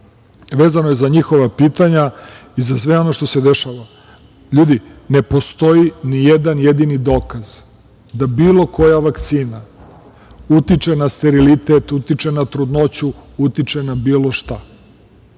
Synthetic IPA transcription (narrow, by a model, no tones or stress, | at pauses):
ʋe̞ːzanojezaɲixo̞ʋapiːt̪aɲaizasʋeo̞no̞ʃt̪o̞se̞d̪eʃaːʋa | ʎuːd̪ine̞po̞st̪o̞jinijed̪anjed̪inid̪o̞ːkaz | d̪abiːlo̞ko̞jaʋakt̪siːna | ut̪it͡ʃenast̪eɾilit̪et̪ut̪it͡ʃenat̪ɾud̪no̞t͡ɕuut̪it͡ʃenabiːlo̞ʃt̪a